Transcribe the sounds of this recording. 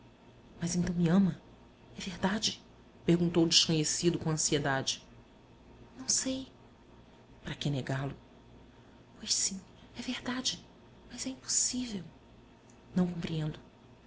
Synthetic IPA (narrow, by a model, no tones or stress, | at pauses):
mɐzẽnt̪ɐ̃w̃miɐ̃mɐ | ɛveɾd̪ad͡ʒɪ | pehɡũnt̪owd͡ʒɪʃkõɲesid̪ʊkõɐ̃sied̪ad͡ʒɪ | nɐ̃w̃sej | pɾɐkeneɡalʊ | pojʃsĩ | ɛvehd̪ad͡ʒɪ | mɐzɛĩpo̥sivew | nɐ̃w̃kõpɾiẽnd̪ʊ